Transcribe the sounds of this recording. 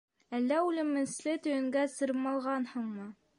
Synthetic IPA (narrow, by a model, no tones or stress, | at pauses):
ælːæʉlɘ̆mɘ̆nslɘt̪ɵ̆jɘ̆ŋɡæsɤ̆ɾɤmɑlˠʁɑnhɤɴmɤ